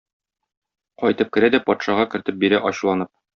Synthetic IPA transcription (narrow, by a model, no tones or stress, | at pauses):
qɒjt̪ɤp̚kɘ̆ɾæd̪æpɒt̪ʃɑʁɑkɘ̆ɾt̪ɘp̚biɾæʔɒɕlˠɑnɤp̚